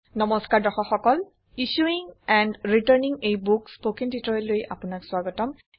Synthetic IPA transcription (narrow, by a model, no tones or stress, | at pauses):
nɔmɔskaɹdɔxɔxɔkɔl | iʃuiŋɛndɹitaɹniŋejbukspokintitɔɹlojʔa̰pʊnakswaɡɔtɔm